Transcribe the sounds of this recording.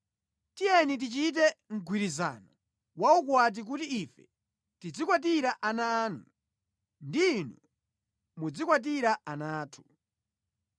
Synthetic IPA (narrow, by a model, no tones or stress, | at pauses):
tijɛnit̬it͡ʃit̬ɛŋ̩ɡʱwiɾiza̰nɔ | wauk̬wat̬ik̬utiifɛ | tid͡zikwat̬iɾaʔanaːnu | ndiːnɔ | mud͡zikwat̬iɾaanaːtʰu̥